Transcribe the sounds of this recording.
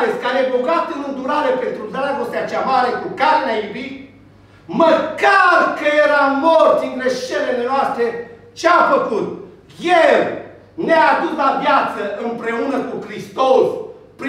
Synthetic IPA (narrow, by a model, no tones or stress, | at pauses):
eskaɾeeboɡat̪ɨnɨnd̪uɾaɾepent̪ɾud̪aɾaɡost̪eat͡ʃeamaɾe̞kukaɾeneajubit̪̚ | məkarkəjeɾamort̪sinɡ̪ɾeʃelelenoast̪ɾe | t͡ʃeafəkut̪ | jel | neaːd̪uslavjat̪səʔɨmpɾe̞unəkukɾist̪os | pɾi